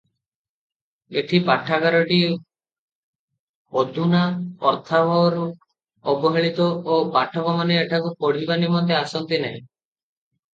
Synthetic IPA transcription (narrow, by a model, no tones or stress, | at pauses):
eʈʰipaʈʰːakaɾɔʈi | ɔd̪ʱunaɔɾt̪ʰabʱɔɔɾu | ɔbɔɦeɭit̪ɔopaʈʰɔkɔmaneːʈʰakupɔɽ̤ibanimɔnt̪easɔnt̪ineɦĩ